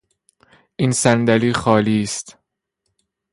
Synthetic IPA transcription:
ʔiːnsænd̪æliːxɒːliːst̪

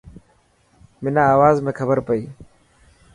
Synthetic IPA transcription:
minaːwaːzmekʰɐbəɾpəi

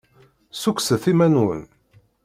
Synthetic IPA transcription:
sukʷsəθimænwə̰n

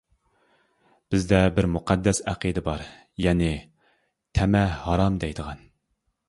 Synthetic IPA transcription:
b̥ɪzd̪ɛbɪɾmuqʰɑd̪ːɛsæqʰid̪ɨbɑɾ | jɛnɪ | t̪ʰɛmɛhɑɾɑmd̪ɛjd̪əʁɑn

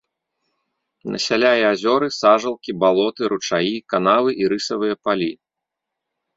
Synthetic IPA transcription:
nɐ̰sʲalʲajɛazʲɔɾɨsaʐɐlˠkʲibalˠɔt̪ɨɾut͡ʂajikanavɨʔiɾɨsɐvɨjɐpalʲi

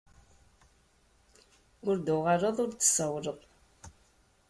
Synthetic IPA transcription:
ʊɾd̪ʊʁəɾəðˤʊɾt̪ːə̥səwɾəðˤ

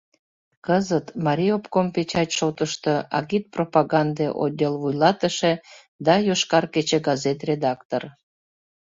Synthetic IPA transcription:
kəzət̪mɑɾʲiopkompet͡ɕɑtʲʃot̪əʃt̪əɑ̰ɣit̪̚propɑɣɑnd̪eʔo̰d̪ʲelvujlɑt̪əʃe | d̪ɑjoʃkɑrket͡ɕeɡɑzet̪rʲed̪ɑkt̪or

